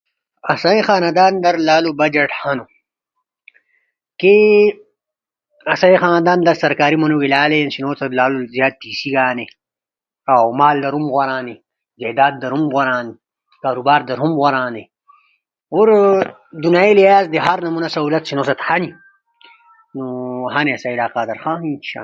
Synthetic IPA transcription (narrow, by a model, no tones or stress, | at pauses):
ɐsɐĩxaːnɐd̪aːnd̪ɐɾlaːlubɐd͡ʑɐʈhɐnu | ke | ɐsɐĩxaːnɐd̪aːnd̪ɐɾsɐɾkaːɾimɐnuɡilaːlejɐnɕinoːt͡sɐt̪laːluzjaːt̪̚t̪iːsiɡaːne | awmaːld̪ɐɾumɣoɾaːni | ɡeːd̪aːd̪̚d̪ɐɾumɣoɾaːne | kaːɾubaːɾd̪ɐɾumɣoɾaːne | uɾ | d̪unaːilijaːzd̪eɦɐɾnɐmunɐsɐɦuːlɐt̪ɕinoːsɐt̪hɐni | nuɦaneɐsɐilaːqaːd̪ɐɾxãːɦĩt͡ʃʰa̰ː